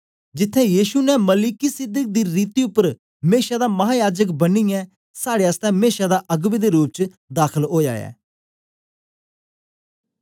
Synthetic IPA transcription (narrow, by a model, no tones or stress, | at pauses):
d͡ʒɪt̪ʰːɛ̃ːjiːʃunɛməlikisɪd̪ək̚d̪iːɾiːt̪iːʊpːəɾ | meːʃaːd̪aːməɦaːjaːd͡ʒəkbənːiːjɛː | saːɽeːəst̪ɛ̃ːmeːʃaːd̪aːʔəɡbiːd̪eːɾuːp̚t͡ʃ | d̪aːkʰəlɦoːja̰ːjɛ̰ː